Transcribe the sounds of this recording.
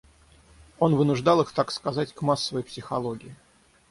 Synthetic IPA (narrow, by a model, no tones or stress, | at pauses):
o̞nvɨnʊʐd̪alˠɨxt̪akskɐzatʲkmasːəvəjpsʲɪxɐlˠoɡʲɪɪ